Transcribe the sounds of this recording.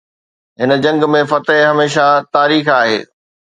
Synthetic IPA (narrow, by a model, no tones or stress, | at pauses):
ɦɪnə̆d͡ʑɐ̃ŋɡmẽfɐt̪ɦɪɦɐmeːʃat̪aːɾiːxaːɦḛː